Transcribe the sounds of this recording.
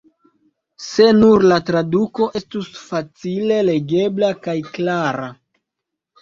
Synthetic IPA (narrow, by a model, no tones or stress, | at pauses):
se̞nuɾlatɾaduko̞ʔe̞stusfat͡sile̞le̞ɡe̞blakajklaɾa